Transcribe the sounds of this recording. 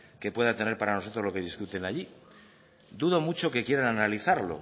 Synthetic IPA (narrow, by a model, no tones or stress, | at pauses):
ke̞pwe̞ðat̪e̞ne̞ɾpaɾanoot̪ɾo̞zlo̞ke̞ð̞iskut̪e̞naʎi | d̪uðo̞mut͡ʃo̞ke̞kje̞ɾananaliθaɾlo̞̰